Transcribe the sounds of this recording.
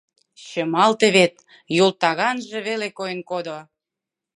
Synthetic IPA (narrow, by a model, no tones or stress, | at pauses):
ɕə̆mɑlt̪eβet̪̚ | jult̪ɑɣɑnʒĕβelekojənkod̪o